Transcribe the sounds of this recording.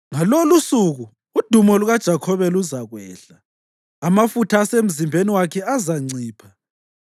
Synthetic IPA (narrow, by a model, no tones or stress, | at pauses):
ŋalolusuɣuː | d̥ʱumɔluɣad̥ʒ̥ʱakʰɔβɛluzaɣwɛːɬaː | mafutʰaːsem̩zimbʱeniwakʰɛazaŋ͡ǀiːpʰa